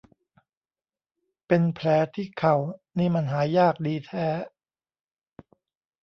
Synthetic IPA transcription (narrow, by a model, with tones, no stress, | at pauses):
pe˧npʰlɛː˩˦t̪ʰiː˥˩kʰa˨˩wniː˥˩ma˧nɦaː˩˦jaː˥˩k̚diː˧t̪ʰɛː˧˩